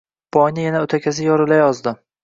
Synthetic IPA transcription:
b̥ɒjnɪjanaɵt̪ʰakʲʰas̬ɪjɒɾɪlajɒzd̪ɪ

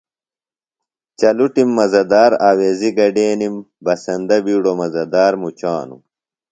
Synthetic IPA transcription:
t͡ɕɐluʈimːɐzɐd̪aːɾaːweːziɡɐɖeːnim | bɐsɐnd̪ɐbiːɽomɐzɐd̪aːɾmut͡ɕaːnṵ

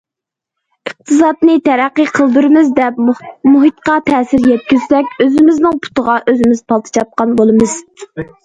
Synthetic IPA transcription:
əq̚t̪ʰɨsɑd̪nɨt̪ʰɛɾæqːiqʰəlˠd̪uɾɨmɨzd̪ɛp̚muɦɨt̪qɑt̪ʰɛːsɪɾjɛt̪̚kʲyz̥sɛkʲøzɪmɪznɪŋpʰu̥t̪əʁɑʔøzɪmɪz̥pʰɑlˠt̪ʰɨ̥t͡ʃʰɑt̪̚qɑnbolˠɨmɨz̥

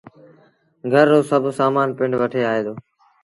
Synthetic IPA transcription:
ɡʱəɾːoːsəbʱsaːmaːnpɪ̃ɳɖʋəʈʰeːaːɦeːd̪oː

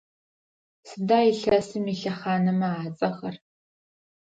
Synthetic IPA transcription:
sɨdaːiɬɐsɨmiɬɐχaːnɐmɐaːt͡sʼɐχɐr

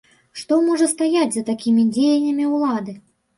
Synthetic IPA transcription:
ʂt̪ɔmɔʐɐst̪ajad͡zʲzɐt̪akʲimʲid͡zʲejɐnʲːɐmʲiwlˠad̪ɨ

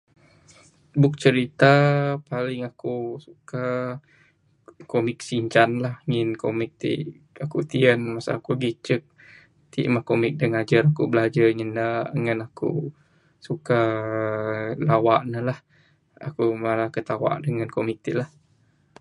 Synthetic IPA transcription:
bʊk̚t͡ʃəɾit̪apalɪŋakusuka | komɪk̚siɲt͡ʃanlahŋɪnkomɪk̚t̪ḭ | akut̪iənmasa̰ːkuɡit͡ʃək̚ | t̪ḭʔmahkomɪk̚dəŋad͡ʒaɾakubəlad͡ʒaɲənaʔŋanakṵ | suka | lawaʔnəlah | a̰kumalakət̪awa̰ʔdəŋankomik̚t̪ilah

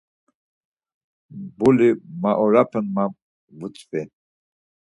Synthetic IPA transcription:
bulimaʔɔɾapʰənmam | vut͡sʼpɛn

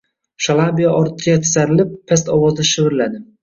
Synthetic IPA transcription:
ʃalˠabijaʔɒɾt̪ʰːɪjat̪ʰɪ̥saɾɪlɪpʰːast̪ɒwɒzd̪aʃɪvɪɾɪlad̪ɪ

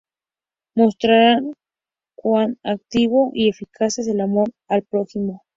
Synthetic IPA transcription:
most̪ɾaɾaŋ | kʷwanak̚t̪iβoʔie̞fikʰases̬elamoɾ | alpɾoximo

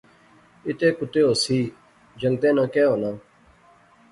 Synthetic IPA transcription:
ɪt̪eːkʊt̪eːoːsiː | d͡ʒəŋt̪ẽːnãːkɛːɦoːnãː

